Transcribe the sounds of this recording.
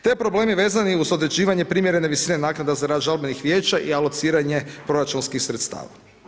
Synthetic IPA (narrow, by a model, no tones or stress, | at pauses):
t̪epɾo̞ble̞ːmiʋe̞ːzaniuzo̞d̪ɾe̞d͡ʑiːʋaɲe̞pɾimjeɾe̞neʋisiːne̞naːknad̪azaɾaːd̪ʒalbenixʋje̞ːt͡ʃaʔialˠot̪siːɾaɲe̞pɾo̞ɾat͡ʃunskixsɾet̪st̪a̰ːʋa̰